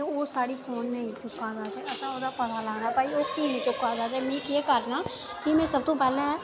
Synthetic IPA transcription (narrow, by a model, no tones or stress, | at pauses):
eoːsaːɽiːfʰoːnːẽĩːt͡ʃʊkːaːzaːt̪eːʔəsãːoːd̪aːpət̪ʰaːləɡnãːɛpaːiːoːk̪iːnẽːt͡ʃʊkːaːzaːt̪eːmĩːkeːkəɾnaː | kɪmɛ̃ːsəb̚t̪õːpɛːlẽːɦɛː